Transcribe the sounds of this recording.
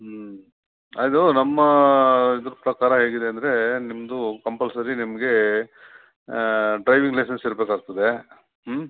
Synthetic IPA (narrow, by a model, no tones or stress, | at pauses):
ɐjd̪unɐmːɐid̪ɾupɾɐkaːɾɐɦe̞ːɡid̪e̞ɐnd̪ɐɾe̞nimɐd̪ukɐmpɐlsɐɾinimɐɡe̞ | ɖɾɐjʋiŋɡlɐjs̬ɐnsiɾbeːkaːɡ̚t̪ɐd̪e̞